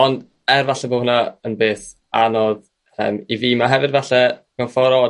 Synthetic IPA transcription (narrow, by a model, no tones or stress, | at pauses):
ɔnd | ɛrvaɬɛvoːnaənbeːθ | anoːð | rɛ̰miviːmaɦɛvɨdvaɬɛɡ̥anfɔɾɔ